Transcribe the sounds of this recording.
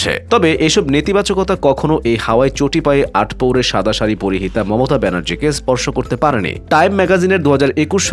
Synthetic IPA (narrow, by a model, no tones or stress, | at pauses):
ḛt̪ɔbeʔeʃɔbnit̪ibat͡ɕokot̪akɔkʰonoʔejhaaet͡ɕoʈipaeʔʔaʈʰpowɾeɾʃad̪ʱaʃaɾipoɾiɦit̪amɔmot̪abɛnaɾd͡ʑikespɔɾʃokoɾt̪epaɾenḭʈajmːɛɡazineɾd̪uɦad͡ʑaɾekuʃʃ